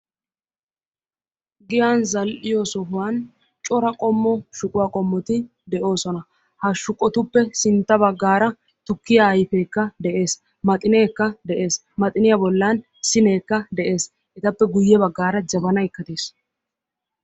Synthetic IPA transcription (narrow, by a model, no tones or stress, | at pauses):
ɡɪjanzɐlʔɪjɔsɔɦʊwan | t͡ʃʼɔɾɐkʼɔmːɔʃʊkʼʊwaːkʼɔmːɔt̪ɪ | d̪ɛʔo̞ːsɔnɐ | hɐʃʊkʼːɔt̪ʊpːɛsɪnt̪ːɐbɐɡːaːɾɐ | t̪ʊkːɪjaɐjfe̞ːkːɐd̪ɛʔe̞ːs | mɐt̪ʼɪneːkːɐd̪ɛʔe̞ːs | mɐt̪ʼɪnɪjabɔlːɐn | sɪneːkːɐd̪ɛʔe̞ːs | ʔɛt̪ɐpːɛɡʊjːɛbɐɡːaːɾɐd͡ʒɐbɐnɐɪkːɐt̪eːs